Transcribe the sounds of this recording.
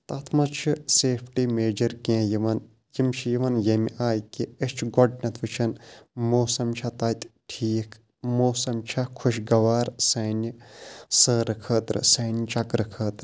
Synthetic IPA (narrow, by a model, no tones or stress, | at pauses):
t̪ɐt̪ʰmɐt͡ʃʰɨseːpʰʈimeːd͡ʒɐɾkẽːjiʋɐn | jimt͡ʃʰijiʋɐnjɐmʲiʔaːjkiət͡ʃʰɡɔɖ̚nʲɐt̪ʰʋɨt͡ʃʰɐnmoːsɐmt͡ʃʰɐt̪ɐːt̪ʲʈʰiːkʰ | moːsɐmt͡ʃʰɐkʰuʃɡɐʋaːɾsɐːnisəːɾɨkʰəːt̪ɾɨ̰sɐːnʲt͡ʃɐkɾɨkʰəːt̪ɾ